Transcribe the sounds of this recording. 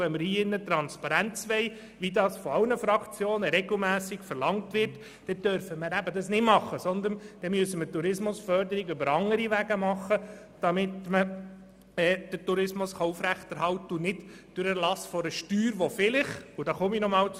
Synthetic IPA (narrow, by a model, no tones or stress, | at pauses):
ʋɛməɾhiːɪnːət̪ɾɑnspɑɾænt͡sʋɛɪ | ʋidɑːsfɔɑwnəfɾɑkt͡sjoːnəɾɛɡl̩mæːsɪkfəɾlɑŋtʋɪrt | d̥ɛd̥œɾfəməɾæbədɑsnɪmɑχːəsɔnd̪ənd̥ɛmyəsəmətuɾɪsmʊsfœɾd̪əɾiɡʏbəɾɑŋːəɾiʋæɡəmɑχːə | d̥ɑmɪt̪mə | ɛːd̥ətuɾɪsmʊsχɑʊfɾæχt̪ɛɾhɑltəʊnɪd | d̥øɾəɾlɑsfɔɾəʃtyːɾʋɔfɪlɪχud̥ɑχɔminɔmɑːl